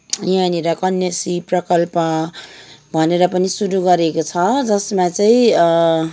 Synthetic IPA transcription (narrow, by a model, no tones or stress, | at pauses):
janiɾʌkʌnjʌsiprʌkʌlpʌ | bʱʌneɾʌpʌnisuɾuɡʌɾekot͡sʰʌd͡zʌsmat͡sʌĩ